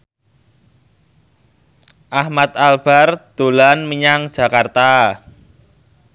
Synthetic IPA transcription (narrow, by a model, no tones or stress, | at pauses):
ʔahmat̪alb̥a̤rd̪̥o̤lanmiɲaŋd̥ʒ̥ä̤kart̪a